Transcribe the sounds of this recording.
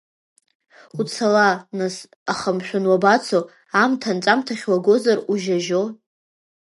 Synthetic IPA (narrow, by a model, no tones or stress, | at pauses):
ut͡sʰalanas | aχəmʃᶣʊnwabat͡sʰo | amtʰant͡sʼamtʰaχʲwaɡʷo̞zaruʒaʒo